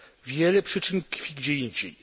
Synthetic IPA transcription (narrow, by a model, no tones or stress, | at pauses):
vʲjɛlɛpʂɘt͡ʂɘnkfʲiɡd͡ʑɛjɛɲd͡ʑɛ̰j